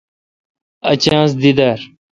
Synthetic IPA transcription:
ɐt͡ɕãːs̬d̪id̪aɾ

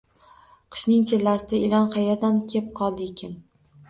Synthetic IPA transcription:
qʰɨ̥ʃnɪŋt͡ʃʰelːasɪd̪aɪlɒnqɑjad̪ankʲʰe̞p̚qʰɒlˠd̪ɪekʲan

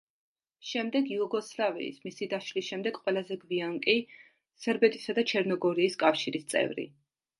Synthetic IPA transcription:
ʃɛmd̪ɛɡiɔɡɔslavḭːsmisid̪aʃlisʃɛmd̪ɛɡqʼwɛlˠazɛɡviaŋkʼi | sɛɾbɛt̪ʼisad̪at͡ʃʰɛɾnɔɡɔɾiːskʼafʃiɾist̪sʼɛ̰vɾḭ

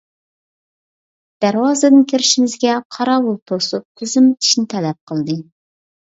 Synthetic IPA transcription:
d̪̥æɾwɑːzɨd̪ɪnkʲʰeɾɪʃimɪzɡʲɛqʰɑɾɑwulˠt̪ʰosup̚tʰøzɪmt̪ʰi̥ʃnɪt̪ʰɛlɛp̚qʰəlˠd̪ɨ

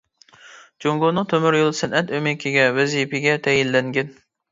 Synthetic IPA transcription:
d͡ʒoŋɡonɨt̪ʰømyɾjolˠsɛnʔɛt̪ømɪkʲʰiɡʲɛwɛzipɪɡʲɛt̪ʰɛjilːɛŋɡʲɛn

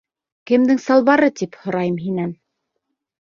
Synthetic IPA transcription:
kɘ̆md̪ɘŋsɑlˠβɑɾɤt̪iphŏɾɑjɤmɦinæn

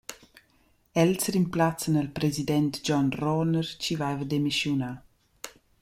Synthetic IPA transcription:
ɛlsɾimplat͡sənəlpɾezidɛnt̪d͡ʒɔnrɔnəɾt͡ʃivajvəd̪emiʃjuna

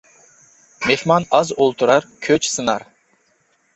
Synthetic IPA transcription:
mehmɑnɑzolˠt̪ʰuɾɑɾkʲʰøt͡ʃsɨnɑɾ

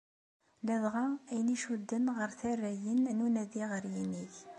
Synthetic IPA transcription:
læðʁaæjniʃud̪ːənʁəɾθærːæjənnunæðiʁəɾjiniç

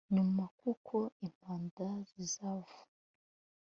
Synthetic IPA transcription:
ɲumakukʰo̞im̥aːndazizavu̥

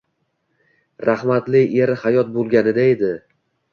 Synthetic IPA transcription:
ɾahmat̪lɪeɾhajɒt̪̚bolˠɡʲanɪd̪ae̞d̪ɪ

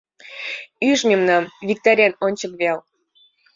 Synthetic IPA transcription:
yʃmʲemnɑmvʲik̚t̪oɾʲɑnonʲt͡ɕəkβel

